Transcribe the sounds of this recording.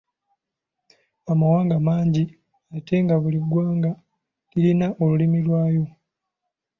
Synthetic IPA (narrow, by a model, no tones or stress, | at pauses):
amawaːŋɡamaːɲɟi | atʰe̞ŋɡaβuliɡːwaːŋɡa | kilinaʔolulimilwaːjo̞